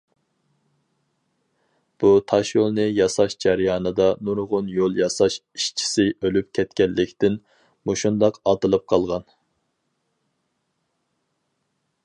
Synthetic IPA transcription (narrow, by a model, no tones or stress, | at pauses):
b̥ut̪ʰɑʃjolˠnɨjɑsɑʃd͡ʒɛɾjɑːnɨd̪ɑnuɾʁʊnjolˠjɑsɑʃiʃt͡ʃʰi̥sɪølyp̚kʲʰɛt̪kʲɛlːɪkʲt̪ɪn | moʃund̪ɑqɑt̪ɨlˠɨp̚qʰɑlˠʁɑn